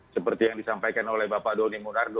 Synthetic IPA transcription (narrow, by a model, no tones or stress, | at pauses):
səpərt̪ijaŋdisampajkanolɛhbapadonimunard